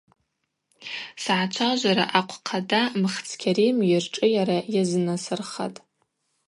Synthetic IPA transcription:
sʕat͡ʃʷʰaʒʷaɾa̰ʔaqʷʰqʰadamɨχt͡sʰkʲʰaɾimjɪrʈ͡ʂʼɨjaɾajaznasɨrχa̰tʼ

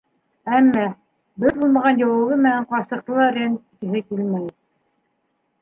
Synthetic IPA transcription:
æmːæ | bɘðbulˠmɑʁɑnjɑwɤ̆ɣɤmɘ̆næɴqɑsɤ̆q̚t̪ɤ̆lˠɑɾænikɘ̆ɦɘkilmæj

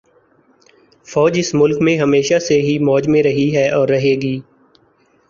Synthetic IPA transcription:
fɔːd͡ʒɪsmʊlkmẽɦɐmeːʃaseɦimɔːd͡ʒmẽɾɐɦiɦɛːʔɔːɾːɐɦeːɡiː

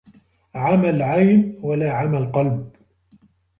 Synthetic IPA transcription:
ʕamalʕajnwalaːʕamalqɑlb̚

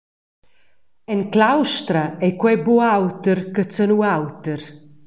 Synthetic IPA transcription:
ɛnklawʃt̪ɾaɛkwɛbuawt̪əɾkət͡sənuawt̪əɾ

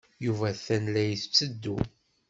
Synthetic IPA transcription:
juvæθænlæjəθt͡sːəd̪ːu

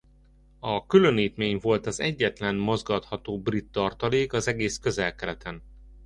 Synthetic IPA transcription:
ɒkylø̞niːt̪meːɲvo̞lt̪ɒzɛɟːɛt̪lɛnmo̞zɡɒt̪hɒt̪oːbrit̪ːɒrt̪ɒleːkɒzɛɡeːskø̞zɛlkɛɾɛt̪ɛn

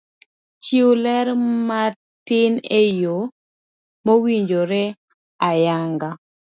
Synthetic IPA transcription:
t͡ʃiwlɛɾma | tɪnejo | mowiɲd͡ʒoɾɛ | ajaŋɡa

